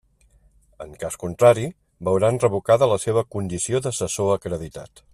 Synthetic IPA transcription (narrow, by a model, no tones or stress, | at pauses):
əŋkaskunt̪ɾaɾi | bəwɾanrəβ̞ukaðələseβ̞əkund̪isioðəsəsoəkɾəðit̪a̰t̪